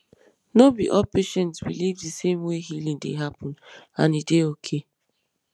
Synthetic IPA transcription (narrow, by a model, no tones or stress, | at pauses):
nobḭʔɔpeʃɛ̃ntswḭlivdisemweɦilĩŋdḛɦapɔ̃nãnideokʰe